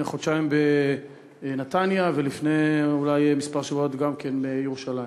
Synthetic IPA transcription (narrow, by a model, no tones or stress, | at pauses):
χodʃaimbe | nat̪anjavelifneulajmispaʁʃevot̪ɡamkenbejeʁuʃalajm